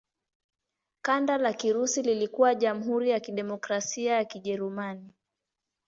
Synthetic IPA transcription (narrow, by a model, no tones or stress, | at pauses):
kandalakiɾusililikuwaʄam̩ɦuɾijakiɗɛmɔkɾasiajakiʄɛɾumani